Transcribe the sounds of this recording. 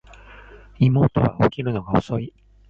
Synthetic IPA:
imo̞ːt̪o̞βa̰okʲiɾɯ̟no̞ɡaoso̞i

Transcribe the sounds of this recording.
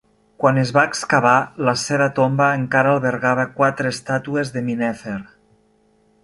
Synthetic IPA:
kwanezβaekskaβ̞alaseβat̪ombaeŋkaɾaːlˠβeɾɣaβakwat̪ɾeːst̪at̪uezðeminɛfeɾ

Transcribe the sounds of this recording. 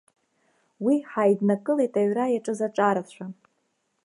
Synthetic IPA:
wiħajdnakʼɨlejtʼaɥrajaʈ͡ʂʼɨzaʈ͡ʂʼaɾat͡ɕʷʰa

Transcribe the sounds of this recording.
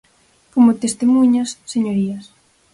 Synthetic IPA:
komot̪est̪emuɲasːeɲoɾiɐs

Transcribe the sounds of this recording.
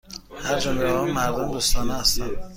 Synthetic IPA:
hæɾd͡ʒomleɒmmæɾd̪omd̪uːst̪ʰɒːnɛhæst̪æn

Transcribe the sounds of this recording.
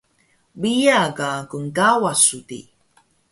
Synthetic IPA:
bijaɡakuŋkawasutḭ

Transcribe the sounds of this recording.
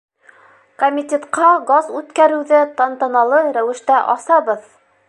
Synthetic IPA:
komʲɪt̪ʲet̪qɑɡɑzʉt̪kæɾɘ̆wðɘt̪ɑnt̪ɑnɑlˠɤɾæwɘ̆ʃt̪æʔɑsɑβɤð

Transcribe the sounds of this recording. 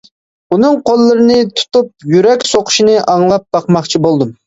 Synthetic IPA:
unɨŋqʰolˠːɨɾɪnɨt̪ʰu̥t̪up̚jyɾɛkʲsoqʰʊ̥ʃinɨʔɑŋlˠɑp̚b̥ɑqmɑχt͡ʃʰibolˠd̪um

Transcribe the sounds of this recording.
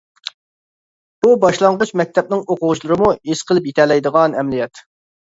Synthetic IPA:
b̥ubɑʃlˠɑɴʁət͡ʃmɛk̚ʲt̪ʰɛp̚nɪŋoqʊʁʊʃlˠɨɾɨmuesqʰəlˠɨpjet̪ʰɛlɛjd̪əʁɑnɛmlijɛt̪

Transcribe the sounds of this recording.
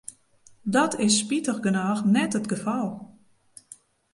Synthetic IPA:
dɔtʰɪsːpitəχɡənaːxnɛtətɡəfɔlˠ

